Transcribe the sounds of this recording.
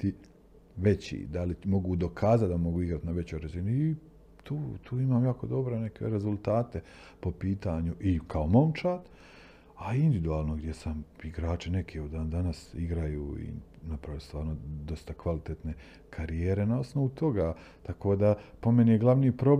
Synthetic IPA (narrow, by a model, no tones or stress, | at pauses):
t̪i | ʋe̞t͡ɕḭːd̪alimo̞ɡuːd̪o̞kʰaːzat̪d̪amo̞ɡuːiɡɾat̪naʋe̞t͡ɕojɾazinui | t̪uːt̪ʰuːimaːmjaːko̞d̪o̞bɾene̞kḛɾezulˠt̪aːt̪e̞ | po̞piːt̪aɲuʔikʰao̞mo̞mt͡ʃaːt̪ | aind̪iid̪uaːlˠno̞ɡd̪jesamiɡɾaːt͡ʃine̞kʰiud̪aːnd̪anasiɡɾajuːḭnapɾaʋilest̪ʋaːɾnod̪o̞st̪akʋalit̪et̪ne̞ | kʰaɾijeːɾe̞nao̞sno̞ʋut̪o̞ɡa | t̪ako̞ːd̪apo̞me̞nijeɡlˠaʋniːpɾo̞b